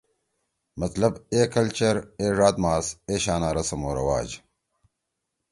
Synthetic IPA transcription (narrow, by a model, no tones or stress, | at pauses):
mɐt̪lɐbeːkɐlt͡ɕɐɾeːʐaːd̪maːseːɕaːnaːɾɐsɐmoːɾɐ̰wa̰ːd͡ʑ